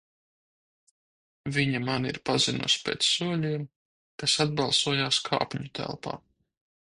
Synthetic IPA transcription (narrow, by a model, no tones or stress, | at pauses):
viɲamaniɾpazinṵspʲḛːt̪ssuɔlʲiːm | kasad̪̚bɑlˠsuɔjaːskʰa̰ːpʲɲut̪ʰæ̰lˠpa̰ː